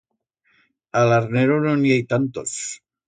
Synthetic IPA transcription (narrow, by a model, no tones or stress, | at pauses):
alaɾneɾononiajt̪ant̪os